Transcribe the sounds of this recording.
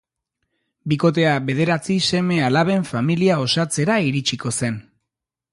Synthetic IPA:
biko̞t̪̬e̞aβe̞ðe̞ɾat͡sise̞me̞alaβe̞ɱfamiliao̞sat͡se̞ɾaiɾit͡ʃiko̞se̞n

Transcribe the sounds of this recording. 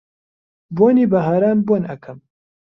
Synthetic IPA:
boːniːbɐɦaːɾaːnbonɐkʰɨm

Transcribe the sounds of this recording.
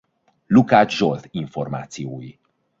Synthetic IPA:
lukaːd͡ʒʒolt̪iɱforma̰ːt̪sijoːji

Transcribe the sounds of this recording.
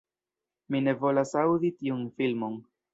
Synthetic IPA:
mine̞vo̞lasawditiunfilmo̞n

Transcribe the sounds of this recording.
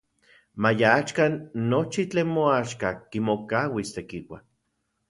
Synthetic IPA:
majaat͡ʃkanːot͡ʃit͡ɬeːnmoaʃkakimokawist̪ekiwa̰

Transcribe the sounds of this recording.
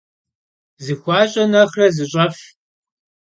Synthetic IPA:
zɨxʷɑːɕʼɐnɐχrɐzɨɕʼɐf

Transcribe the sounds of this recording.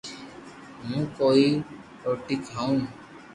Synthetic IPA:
mũːkoi | oːʈikaũː

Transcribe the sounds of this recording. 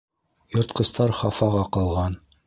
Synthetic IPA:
jŏɾt̪̚qɤ̆st̪ɑɾχɑfɑʁɑqɤ̆lˠʁɑn

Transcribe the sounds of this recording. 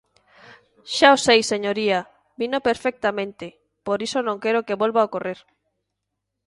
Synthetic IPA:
ʃaosejsːeɲoɾia | binopeɾfɛk̚t̪amẽnt̪ɪ | poɾisonõŋkeɾokeβolβaokoreɾ

